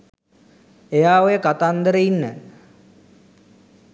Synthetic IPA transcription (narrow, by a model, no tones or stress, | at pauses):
ejaːʋojəkat̪and̪əɾəinːə